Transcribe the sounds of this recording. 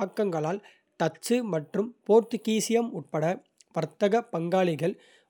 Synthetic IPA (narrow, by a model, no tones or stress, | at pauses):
kːɐŋɡɐɭaːl | t̪ɐt͡ʃːɯmɐʈrɯmpoːɾt̪ɯkiːsɪjɐmʊʈ̚pɐɽɐ | ʋɐɾt̪ːɐɣɐpɐŋɡaːɭɪɣɐɭ